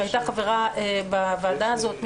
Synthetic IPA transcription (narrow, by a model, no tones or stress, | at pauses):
ajtaχaveʁaebavaldaːzo̞t̪m